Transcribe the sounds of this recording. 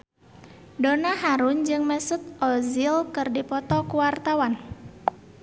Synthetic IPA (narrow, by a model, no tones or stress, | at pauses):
donaɦaɾʊnd͡ʒɨŋmɛsʊt̪̚ʔɔzilkɨrdipɔt̪ɔkuwart̪awan